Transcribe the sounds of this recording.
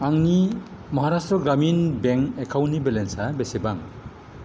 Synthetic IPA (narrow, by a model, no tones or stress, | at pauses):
aŋni | mɔɦaɾastɾɔɡɾaminbeŋekʰawnːibelensabesebaŋ